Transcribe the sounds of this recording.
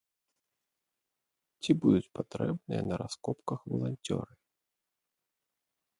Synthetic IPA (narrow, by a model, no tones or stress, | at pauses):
t͡sʲibud̪ut͡sʲpat̪ɾɛbnɨjɐ̰nɐɾaskɔpkɐxvɐ̰lˠanʲt͡sʲɔ̰ɾɨ